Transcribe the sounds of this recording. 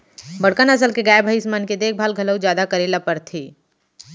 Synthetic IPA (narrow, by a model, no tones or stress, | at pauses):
bəɽkənəsəlkeɡaːjebʱəɪsmanked̪eːk̚ʰbʱaːlɡʱɐləwd͡ʒjaːd̪akəɾeːlapəɾt̪ʰiː